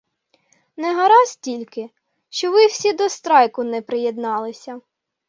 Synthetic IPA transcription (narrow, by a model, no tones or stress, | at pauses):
nɛɦɐɾɑstʲilʲkɪ | ʃt͡ʃɔʋɪw̥sʲid̪ɔst̪ɾɑjkʊnɛpɾɪjed̪nɑlˠɪsʲɐ